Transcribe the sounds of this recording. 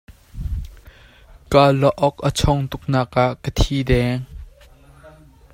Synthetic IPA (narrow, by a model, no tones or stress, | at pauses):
kalɔʔɔkʔət͡sʰɔŋt̪ʊk̚naːkaʔkət̪ʰiːd̪ɛŋ